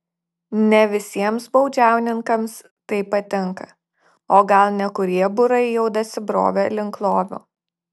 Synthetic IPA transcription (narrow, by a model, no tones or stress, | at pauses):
nʲɛʋʲɪsʲiɛmsbɐʊd͡ʒʲæˑʊnʲɪŋkɐms | t̪ɐɪpɐt̪ʲɪŋˑkɐ | oːɡɐlˠnʲɛkʊɾʲiɛbʊɾɐɪjɛʊd̪ɐsʲɪbɾo̰ːʋʲɛlʲɪŋklˠoːʋʲṵː